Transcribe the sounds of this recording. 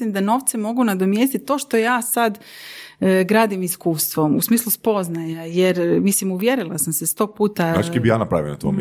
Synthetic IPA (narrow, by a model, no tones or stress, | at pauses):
limd̪ano̞ːʋt̪semo̞ɡunad̪o̞mjeːst̪itt̪ːo̞ːʃt̪o̞jaːsad̪ | ɡɾaːd̪imiskuːst̪ʋo̞musmiːslˠuspo̞znajajeɾmislimuʋje̞ɾilˠasamsest̪o̞ːɡ̚puːt̪aat͡ʃkebijaːnapɾa̰ʋḭo̰na̰t̪ʋo̰m